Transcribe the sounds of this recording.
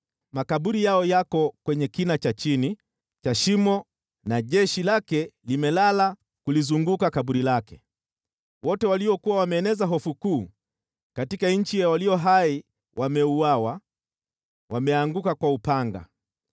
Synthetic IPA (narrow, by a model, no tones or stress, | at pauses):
makaɓuɾijaɔjakɔkwɛɲɛkinat͡ʃat͡ʃini | t͡ʃaʃimɔ | naʄɛʃilakɛlimɛlala | kulizuŋɡukakaɓuɾilakɛ̥ | wɔtɛwaliɔkuwawamɛːnɛzaɦɔfukuː | katikaɲ̩t͡ʃijawaliɔɦai | wʔamɛuawa | wamɛaŋɡukakwaupaŋɡa̰